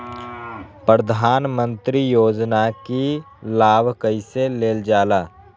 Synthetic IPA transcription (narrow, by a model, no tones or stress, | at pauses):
pɾəd̪ʱaːnmə̃nt̪ɾijoːd͡ʒnaki | laːbʱkəɪseleːld͡ʒaːlaː